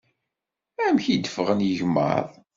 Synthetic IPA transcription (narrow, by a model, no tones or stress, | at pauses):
æmçid̪əfəʁənjəʝmːə̰ðˤ